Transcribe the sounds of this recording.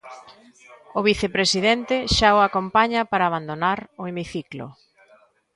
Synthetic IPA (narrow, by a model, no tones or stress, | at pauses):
ʊβiθepɾesiðɛnt̪eʃaoakompaɲɐpaɾaːβ̞and̪onaɾʊemiθiklo̰